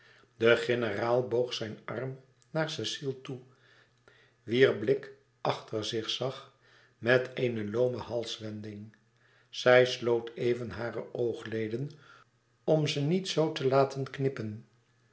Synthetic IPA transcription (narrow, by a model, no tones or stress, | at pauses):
dəχɪnəraːlˠbowχsɛjnʔɑrm | naːɹsɪsilˠtu | ʋiːrblɪk | ʔɑχtʰəɹzɪχsɑχ | mɛtʰeɪnəloːməhɑlˠsʋɛndɪŋ | z̥ɛjslowtʰejvənɦaːrəʔowχlejdən | ɔmzənitsowtəlaːtʰənknɪpən